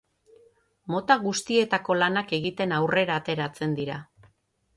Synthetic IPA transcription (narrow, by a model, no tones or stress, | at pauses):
mo̞t̪aɣust̪ie̞t̪ako̞lanake̞ɣit̪e̞nawre̞ɾaːt̪e̞ɾat͡se̞nd̪iɾa